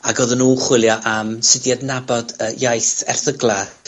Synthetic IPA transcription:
aɡɔðənuːχwɪlˠjɔʔamsɪdjadnabɔdəjajθɛ̰rθəɡlˠa

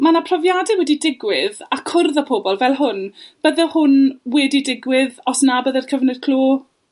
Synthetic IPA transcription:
manapʰrɔvjadɛwɛdidɪɡwɪðakʰʊrðapʰoːbɔlˠvɛlˠɦʊnb̥əðɛhʊnwɛdidɪɡwɪðɔsnabəðɛrkʰəvnɨd̥̚kʰl̥uː

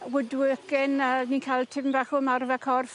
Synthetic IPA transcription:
wɪdwɪkɪnəniːkʰajlˠtʰɪvnvaχʊmarvɛkʰɔrf

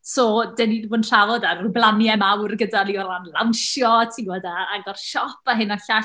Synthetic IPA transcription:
sɔːdɛnivɔnr̥avɔdarʊblˠanjɛmawrɡədaniɔlˠanlˠawnʃjɔtʰiwɔdaaɡɔrʃɔpʰaɦɨnɔɬa

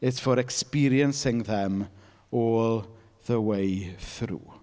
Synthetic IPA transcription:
ɪtv̥oɾɛkspiɾjənsɪŋðɛm | ɔːlˠ | ðəwejθrṵː

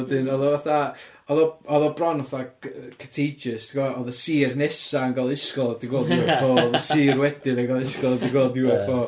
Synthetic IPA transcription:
ɛdɨnɔðɔvaθa | ɔðɔɔðɔbrɔnɔθakʰə̥tʰejd͡ʒɨstʰɪɡaɔðəsiːrnɛsaənɡalˠɪskɔlˠad̥iɡɔduafɔðəsiːrwɛdɪɾəɡalˠɪskɔlˠdɪɡɔlˠdɪwɔfɔ

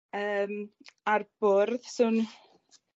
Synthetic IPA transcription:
əːmarb̥ʊɾðsuːn

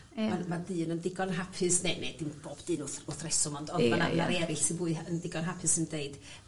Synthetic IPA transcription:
mamaðɨːnəndɪɡɔnɦapʰɨsnened̥ɪnb̥oːb̥d̥ɨːnʊθʊθrɛsɔmɔndɔðmananaɾɛɾɪɬtʰɪbʊɨəndɪɡɔnɦapʰɨsəndeɨd̥

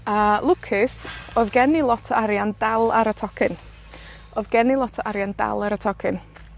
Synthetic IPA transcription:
əlˠʊkʰɪsɔðɡɛnilˠɔtʰəaɾjandalˠaɾətʰɔkʰɪn | ɔðɡɛnilˠɔtʰəʔaɾjanda̰lˠaɾətʰɔkʰɪn

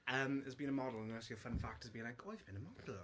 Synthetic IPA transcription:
ʔʌ̃mɪəzbĩnəmɒdˡl̩ˠə̃nəsiəfə̃nfak̚təzbĩnlaɪkoɪvb̥ĩnəmɔd̥l̩ˠ

